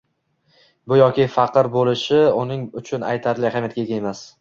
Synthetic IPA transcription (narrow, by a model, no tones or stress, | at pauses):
bʊjɒkʲɪfɑqʰɨɾbolɪʃɪʊnɪŋʊt͡ʃʰʊna̰jt̪ʰaɾlɪhamjat̪̚kʲʰeɡʲaemas